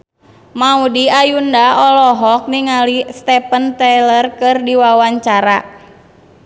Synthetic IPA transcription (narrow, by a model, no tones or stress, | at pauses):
maudiajundaɔlɔɦɔk̚niŋalist̪ɛpənt̪ɛlərkɨrdiwawaɲt͡ʃaɾa